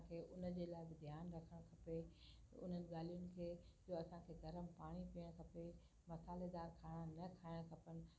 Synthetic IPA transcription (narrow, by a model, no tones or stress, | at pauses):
kʰeːʔʊnə̆d͡ʑeːlaːɪbɪd̪ʱjaːnɾɐkʰəɽ̃kʰɐpeʊ̰n̤ənɪ̆ɠaːlijʊnɪ̆kʰeːd͡ʑoːɐsãkʰeːɡɐɾəmpaːɽ̃ipiːəɽ̃kʰɐpe | mɐsaːled̪aːɾkʰaːɽ̃ãnɐkʰaːɪɽ̃kʰɐpənɪ̆